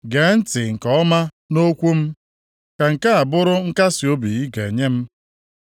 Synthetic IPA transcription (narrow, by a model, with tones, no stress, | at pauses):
ɡe˨˦n̩˦tɪ˨ŋ̩˨kɔ˨˦ɔ˦ma˦ | no˦kʷu˦m̩˦ | ka˨ŋ̩˨ka˦a˨bʊ˦ɾʊ˦ŋ̩˦ka˦si˨o˦bi˨i˦ɡe˨ɲe˦m̩˦